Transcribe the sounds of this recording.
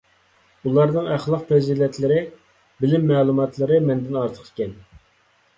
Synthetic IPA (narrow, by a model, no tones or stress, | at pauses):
ulˠɑɾnɨŋæχlˠəq̚pʰɾɪzid̪ɛnt̪lɪɾɪ | bɪlɪmːɛːlˠumɑt̪ʰlˠɨɾɨmɛnd̪ɪnɑɾt̪ʰə̥qi̥kʲɛn